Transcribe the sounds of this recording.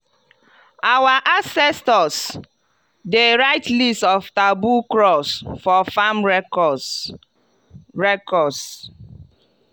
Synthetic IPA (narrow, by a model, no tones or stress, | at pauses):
awaʔasɛstɔs | deɾaɪtlistɔftabukɾɔsfɔfam | ɹɛkɔs